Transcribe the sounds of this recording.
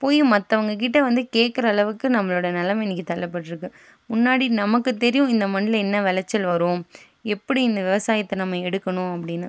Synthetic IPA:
poːjmɐt̪ːɐʋɐŋɡɐk̬ɪʈːɐʋɐnd̪ɯkeːʈ̚kɐɾɐːɭɐʋɯkːɯnɐmːɐɭoːɽɐnɛlɐmɛnːɪkːit̪ɐlːɐpːɐʈːɪɾɯkːɯ | mʊnːaːɽinɐmɐkːɯt̪ːɛɾɪjʊ̃ɪnd̪ɐmɐnɪlɐɛnːɐʋɛlɐt͡ʃːɐlʋɐɾõːm | ɛpːɐɽiɪnd̪ɐʋɪʋɐsaːjɐt̪ːɐnɐmːɐɛɽɯkːɐnʊ̃ɐpːɐɽɪnːɐ

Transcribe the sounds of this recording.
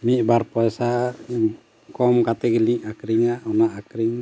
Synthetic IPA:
miʔ̚baɾpɔsa | kɔmkat̪ɛɡliʔakɾiŋaʔɔnaʔakɾiŋ

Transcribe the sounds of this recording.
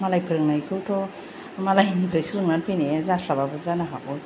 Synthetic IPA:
malajpʰɯɾɯŋnajkʰɯwtʰɔ | malajnipʰɾajsɯɾɯŋnanpʰɯjnezaslababɯzanaɦabɔj

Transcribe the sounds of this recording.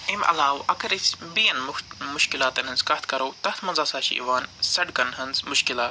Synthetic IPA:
emʔɐ̰laːwɐkɐɾisbijɐnmʊʃkilaːt̪ɐnɦɨnzkɐht̪ʰkɐɾoːt̪ɐht̪ʰmɐnzaːsaːʃḭḭʋaːnsɐɖkɐnɦɐnzmʊʃkilaːt̪

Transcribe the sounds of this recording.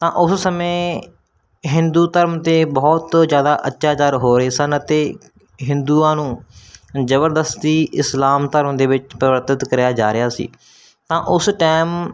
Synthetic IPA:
t̪ãːʔʊssəmẽː | ɦɪnd̪uːt̪əɾmt̪eːbɔːt̪zjaːd̪aːʔətːʃaːt͡ʃaːɾɦoːɾeːsənət̪eː | ɦɪ̃nd̪uːãːnũː | d͡ʒəbəɾd̪əst̪iːʔɪslaːmt̪əɾmd̪eːʋɪt͡ʃpɾəʋəɾt̪ɪt̪kəɾjaːd͡ʒaːɾɪjaːsḭː | t̪ãːʔʊsʈɛːm

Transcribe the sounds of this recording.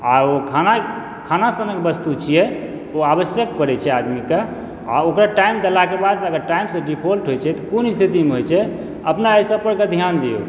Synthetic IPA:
aokʰana | kʰanasənəkbəst̪ut͡ʃʰijɛ | oabəsjəkpəɾɛt͡ʃʰɛad̪mika | a̰okɾaʈaimd̪əlakebad̪səɡəɾʈaimsə̃ɖipʰolʈɦojt͡ʃʰɛt̪ɔkonist̪ʰit̪imeɦojt͡ʃʰɛ | əpnaəjsəpəɾked̪ʱjand̪ijo̰

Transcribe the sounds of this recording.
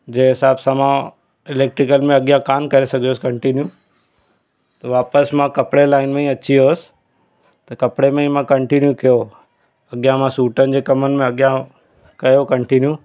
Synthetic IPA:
d͡ʑeːɦɪsaːbsãmã | ɪleːk̚ʈɾɪkəlmẽɐɠijãkaːmkɐɾesɐɡʱijoːsɪkɐ̃ɳʈinju | t̪ɐʋaːpəsmãkɐpɽelaːɪnmẽĩɐt͡ɕioːsɪ̥ | t̪ɐkɐpɽemẽĩmãkɐ̃ɳʈinjukijo | ɐɠijãmãsuːʈənɪ̆d͡ʑeːkɐmənɪ̆mẽɐɠɪjã | kɐjokɐ̃ɳʈinju

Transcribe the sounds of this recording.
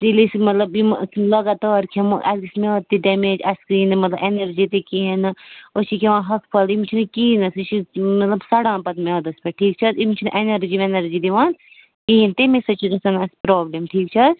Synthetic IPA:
d̪ilismɐt̪lɐbimlɐɡɐt̪aːɾkʰemʔɐlɡismet̪̚t̪ːiɖemed͡ʒɐskɾiːnmɐt̪lɐbenɐɾd͡ʒit̪ikiɦɐnɨot͡ʃikʲʰeʋãːɦɐkpʰɐlimt͡ʃʰinɨkiːnɐsɐt͡ʃimɐt̪lɐbsɐɽãːpɐt̪med̪ɐspeʈʰiːk̚t͡ʃʰɐzimt͡ʃʰunḭʔenɐɾd͡ʒimenɐɾd͡ʒid̪iʋãːn | kiːnt̪imesɐt͡ʃʰizɐsɐnɐspɾoːblemʈʰiːk̚t͡ʃʰɐz

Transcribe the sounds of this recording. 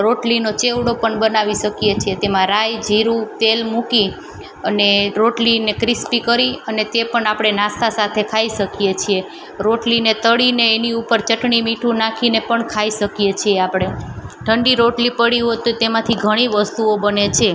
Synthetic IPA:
ɾoʈlinot͡ʃeʋɽopəɳbənaʋiʃəkjet͡ʃʰiet̪emãɾajd͡ʒʱiɾut̪elmuki | əneɾoʈlinekɾɪspikəɾiənet̪epəɳapɽ̃enãst̪ʰasat̪ʰekʰaiʃəkijet͡ʃʰie | ɾoʈlinet̪əɽineːniupəɾt͡ʃəʈɳimiʈʰũnakʰinepəɳkʰaiʃəkjet͡ʃʰieapɽ̃eʈʰəɳɖiɾoʈlipəɽiɦot̪t̪emãt̪ʰiɡʱəɽ̃iʋəst̪uobənet͡ʃʰe

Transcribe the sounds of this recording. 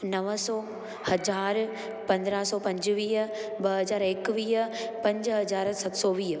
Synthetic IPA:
nɐʋəsɔː | hɐzaːɾ | pɐ̃nd̪ɾaːɦsɔːpɐ̃ɲd͡ʑʋiːɦəbɐɦɐzaːɾɪkʋiːɦəpɐ̃ɲd͡ʑɦɐzaːɾsɐt̪sɔːʋiːɦə

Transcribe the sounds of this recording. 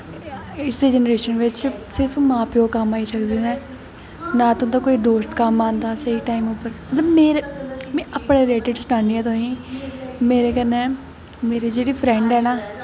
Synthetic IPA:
ɪsd̪eːd͡ʒɛnəɾeːʃənʋɪt͡ʃsɪɾpʰmãːpɪoːkəmaːisəkd̪eːnɛː | nãːt̪õːt̪ãːkoːiːd̪oːst̪kəmːaːnd̪aːsəiːʈaːiːmʊpəɾət̪bmeːɾemɛ̃ːʔəpɳeːɾɪleːʈɪɖsnãːniːɛːt̪oɦĩː | meːɾeːkənẽː | meːɾed͡ʒeːɽiːpʰɾɛ̃ɳɖɦɛːnaː

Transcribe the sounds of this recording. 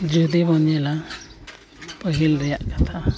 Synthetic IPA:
d͡ʒud̪ibɔnjɛla | pəɦilɾɛjaʔkḁt̪ʰa

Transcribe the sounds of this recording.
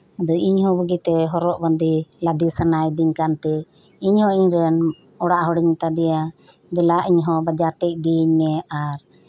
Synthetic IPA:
ad̪ɔʔiɲhɔ̃bəɡit̪ɛɦɔɾɔʔbənd̪ilad̪isənajd̪iɲkant̪ɛ | iɲhɔiɲɾɛn | ɔɽaʔɦɔɽiɲmɛt̪ad̪ɛja | d̪ɛlaʔiɲɦɔ̃bad͡ʒaɾt̪ɛc̚ˀd̪iɲmɛaɾ

